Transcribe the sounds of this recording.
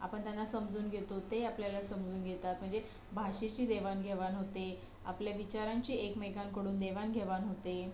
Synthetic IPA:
a̰pəɳt̪janːasəmd͡zuːnɡʱet̪ot̪eapljalasəmd͡zuːnɡʱet̪at̪m̤əɳd͡ze | bʱaɕet͡ɕiːd̪eʋanɡʱeʋanɦot̪e | a̰pljaʋit͡ɕaɾaɲt͡ɕiːekmeɡaŋkəɽuːnd̪eʋanɡʱeʋanɦot̪e

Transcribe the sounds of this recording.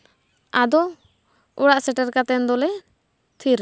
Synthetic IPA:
ad̪ɔ | uɽaʔsɛʈɛɾkat̪ɛnd̪ɔlɛ | t̪ʰiɾ

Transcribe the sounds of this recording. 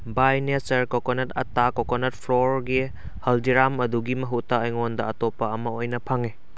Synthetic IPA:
bajnet͡ʃɐɾkokonetɐtakokonet̚pʰɾoɾɡi | hɐldiɾamɐduɡimɐɦutːɐːjŋondɐɐtopːɐɐmɐojnɐpʰaŋi

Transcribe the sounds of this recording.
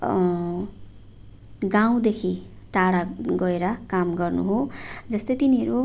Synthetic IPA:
ɡaw̃d̪ekʰi | ʈaɽaɡʌeɾʌkamɡʌrnṵɦod͡zʌst̪ʌjt̪iniɦʌɾu

